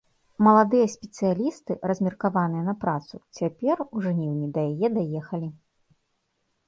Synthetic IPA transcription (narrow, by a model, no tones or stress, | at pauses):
mɐlˠad̪ɨjɐsʲpʲɛt̪sɨjalʲist̪ɨrɐzʲmʲirkavanɨjɐnɐpɾat̪sut͡sʲapʲɛruʐnʲɛwnʲid̪ɐjajɛd̪ajɛxɐlʲi